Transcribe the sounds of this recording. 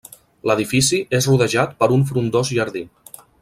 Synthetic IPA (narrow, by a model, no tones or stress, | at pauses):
ləðifisiʔezruðəʒat̪pəɾuɱf̬ɾund̪ɔzʒəɾði